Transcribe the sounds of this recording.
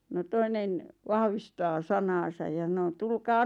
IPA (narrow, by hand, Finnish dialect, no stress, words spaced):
no toinen ʋɑhʋistɑː sɑnɑːsɑj jɑ s̆ɑ̆no tulkɑː